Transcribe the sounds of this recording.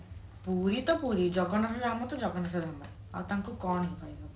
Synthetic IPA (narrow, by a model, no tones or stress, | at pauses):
puɾit̪ɔpuɾid͡ʒɔɡɔnɔsɔɾamɔt̪ɔd͡ʒɔɡɔnɔsɔɾʱɔma | a̰wt̪aŋkukɔɳ̃ɔɦipʰaibɔ